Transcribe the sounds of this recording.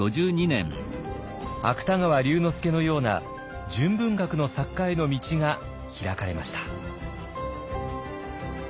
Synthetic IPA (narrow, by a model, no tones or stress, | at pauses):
o̞ʑɨːɲinḛ̃ɴ | a̰kɯ̟̥t̪aŋaβaɾʲɨːno̞sɨ̥ke̞no̞jo̞ːna̰ | d͡ʑɨ̃mbɯ̟̃ŋɡakɯ̟no̞sakːaino̞mʲit͡ɕiŋa | çiɾakaɾe̞̰ma̰ɕi̥t̪ḁ